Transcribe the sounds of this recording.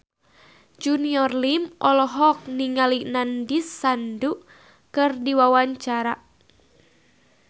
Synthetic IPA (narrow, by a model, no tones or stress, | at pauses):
d͡ʒuniɔrlimʔɔlɔɦɔk̚niŋalinandisːandu | kɨrdiwawaɲt͡ʃaɾa